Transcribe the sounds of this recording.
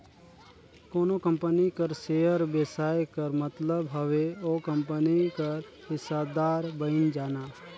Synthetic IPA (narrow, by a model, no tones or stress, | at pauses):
koːnokə̃mpənikəɾseːjəɾbeːsaːjkəɾmət̪ləbɦɐʋeoːkə̃mpənikɐɾ | hɪsad̪aːɾbəɪnd͡ʒaːnaː